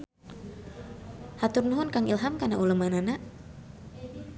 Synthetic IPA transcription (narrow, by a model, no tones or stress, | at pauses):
hat̪ʊrnuɦʊnkaŋilɦamkanaʔuləmananaʔ